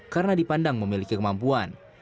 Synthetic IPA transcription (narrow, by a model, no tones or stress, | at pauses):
kaɾənadipandaŋməmilikikəmampuan